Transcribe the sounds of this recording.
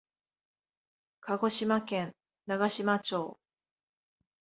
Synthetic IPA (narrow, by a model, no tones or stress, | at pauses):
kʰaɡo̞ɕimakẽn | naɡaɕimat͡ɕo̞ː